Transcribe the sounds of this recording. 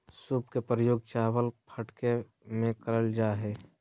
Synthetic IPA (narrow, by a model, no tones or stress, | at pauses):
suːpkepɾəjoːɡ̚t͡ʃaːwəlpʰəʈke | mẽkəɾəld͡ʒaːɦɛː